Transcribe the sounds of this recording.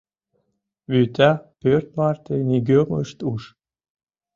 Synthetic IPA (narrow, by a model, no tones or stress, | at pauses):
βyt̪æpørt̪mɑrt̪eniɡʲøməʃt̪uʃ